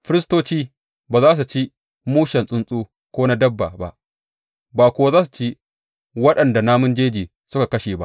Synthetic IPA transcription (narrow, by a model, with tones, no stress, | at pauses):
ɸɪ˦ɾɪ˦stoː˦t͡ʃiː˦ | baː˨zaː˦s̬u˨t͡ʃi˦ | muː˦ʃɐ˨nsʼʊ˦nsʼuː˦ | kʷoː˦na˦dɐ˦bːa̰˨ba̰˦ʔ | baː˨kʷʊ˨wa˦zaː˦su˨t͡ʃi˦ | wɐ˦ɗɐ˨nda˨naː˦mʊ˦nd͡ʒeː˦d͡ʒiː˨ | sʊ˦ka˨kɐ˦ʃeː˨ba̰˦ʔ